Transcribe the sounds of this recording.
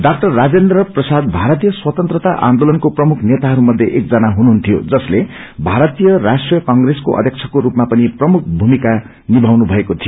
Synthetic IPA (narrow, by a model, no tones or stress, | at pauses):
ɖak̚ʈʌrːad͡zend̪rʌprʌsad̪̚bʱaɾʌt̪ijʌswʌt̪ʌnt̪rʌt̪aʔã̰nd̪olʌnkoprʌmukʰnet̪aɦʌɾumʌd̪ʱjeʔek̚d͡zʌnaɦunuɦunt̪ʰijo̰d͡zʌsle | bʱaɾʌt̪ijʌɾasʈrijʌkʌŋɡresko̰ʔʌ̰d̪ʱjʌkt͡sʰʌkoɾupmapʌniprʌmukʰbʱumika | nibʱawnubʱʌekot̪ʰijo